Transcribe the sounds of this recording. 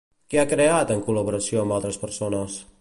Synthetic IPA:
keakɾeat̪əŋkuləβuɾəsioəmbalˠt̪ɾəspəɾsonəs

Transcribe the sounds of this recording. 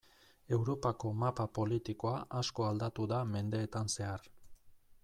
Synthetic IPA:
e̞wɾo̞pako̞mapapo̞lit̪iko̞aʔasko̞ald̪at̪uðame̞nd̪e̞ːt̪anse̞ar

